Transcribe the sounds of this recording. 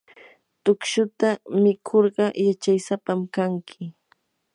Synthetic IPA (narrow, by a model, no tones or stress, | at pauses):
t̪ʊkʃʊt̪amɪkʰoɾɢɑjat͡ʃajsapamkaŋkʰɪ